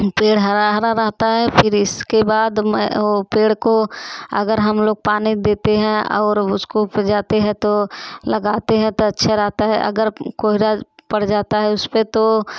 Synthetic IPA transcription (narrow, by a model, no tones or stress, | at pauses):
peːɽɦɐɾaɦɾaɾɐɦt̪aɦɛpʰɪɾɪskebaːd̪mpeːɽkoɐ̰ɡəɾɦɐmloːɡ̚paːnid̪eːt̪eɦɛ̃ɔ̰ːɾʊskopd͡ʒaːt̪eɦɛ̃t̪olɐɡaːt̪eɦɛ̃t̪oɐtːʃʰaɾɐɦt̪aɦɛ̰ʔɐ̰ɡəɾkoːɦiɾapɐɽ̤d͡ʒaːt̪aɦɛʊspet̪o